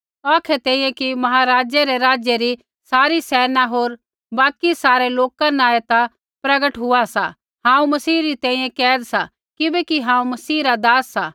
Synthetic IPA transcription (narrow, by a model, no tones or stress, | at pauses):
ɔːkʰɛt̪ɛ̃ːĩjẽkimɐɦaɾaːd͡ʒjaɾeɾaːd͡ʒjeɾi | saːɾisɛːnaɦoːɾ | baːkisaːɾeloːkãnaːet̪a | pɾɐɡəʈɦʊasa̰ | ɦãːũmɐsiːɾit̪ɛ̃ːĩjẽkɛːd̪sa | kɪbɛkiɦãːũmɐsiːɾad̪aːsːa